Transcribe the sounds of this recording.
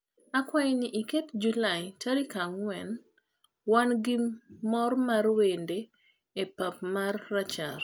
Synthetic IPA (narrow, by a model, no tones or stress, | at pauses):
akwajenɪʔiketd͡ʒulajtʰaɾikaŋwɛn | wanɡimɔrmaɾwende | epap̚marːat͡ʃar